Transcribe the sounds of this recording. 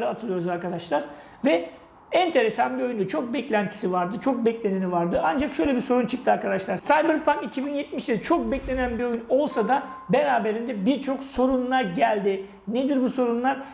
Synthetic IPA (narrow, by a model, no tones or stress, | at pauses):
ɾɯat̪ʰɯlˠɯjo̞ɾuzaɾkʰad̪aʃlˠaɾ̥ | vɛ | ɛnt̪ʰe̞ɾe̞sanbio̞jynd̪ɛt͡ʃʰo̞k̚bɛclʲænt̪ʰi̥sivaɾd̪ɯt͡ʃʰo̞k̚bɛclʲe̞nenivaɾd̪ɯand͡ʒakʃø̞jlʲebiso̞ɾunt͡ʃʰɯ̥k̚t̪ɯaɾkʰad̪aʃlˠaɾsajbɯɾpʰaŋkicʰibinjɛt̪miʃd̪ɛt͡ʃʰo̞k̚bɛclʲe̞nænbio̞juno̞lˠsad̪a | beɾaːbeɾind̪ɛbiɾt͡ʃʰo̞kso̞ɾunlˠaɾɟælʲd̪i | ned̪iɾbuso̞ɾunlˠaɾ̥